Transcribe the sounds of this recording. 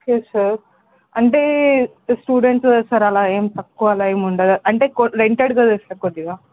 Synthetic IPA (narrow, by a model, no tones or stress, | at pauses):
okesɐɾ | ɐɳʈe | sʈuːɖeɳʈssɐɾɐlaːeːmt̪ɐkːuɐlaːeːmuɳɖɐd̪ɐɐɳʈekoɾeɳʈeɖɡɐd̪ɐsɐkoʈ̪ːiɡ̪aː